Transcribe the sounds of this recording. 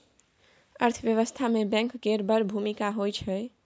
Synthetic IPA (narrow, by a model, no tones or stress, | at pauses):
ə̰ɾt̪ʰəʋjəʋəst̪ʰamebɛ̃ŋkɡeɾbəɾbʱumikaɦojt͡ʃʰə